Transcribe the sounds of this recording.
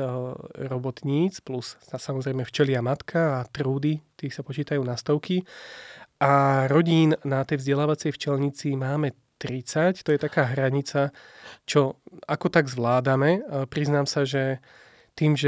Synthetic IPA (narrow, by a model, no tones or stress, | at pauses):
ɾɔbɔt̪ɲiːt͡splusasamɔzɾɛjmɛft͡ʃɛlɪamat̪kʰaːt̪ɾuːd̪it̪iːsapɔt͡ʃiːt̪ajuːnast̪ɔʊki | ʔaɾɔɟiːnnat̪ɛjvzɟɛlaːʋat͡sɛjft͡ʃɛlɲit͡simaːmɛ | t̪ɾit͡sact̪ɔjɛt̪akaːɦɾaɲit͡sat͡ʃɔakɔt̪aɡzʋlaːd̪amɛpɾiznaːmsaʒɛ | t̪iːmʒɛ